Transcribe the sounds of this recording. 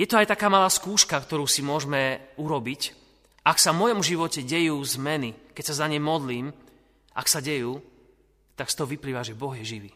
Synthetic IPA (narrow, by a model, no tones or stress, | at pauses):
jɛt̪ɔajt̪akaːmalaːskuːʃkakt̪ɔɾuːsimʊɔʒmɛuɾɔbic | ʔaksavmɔjɔmʒiʋɔcɛɟɛjuːzmɛnikɛcsazaɲɛjmɔd̪liːm | a̰ksaɟɛjuː | t̪akst̪ɔɦɔʋipliːʋaʒɛbɔɣjɛʒiʋiː